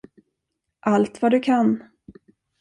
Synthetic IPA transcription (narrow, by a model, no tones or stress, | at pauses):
ʔalt̪vad̪ɵkʰan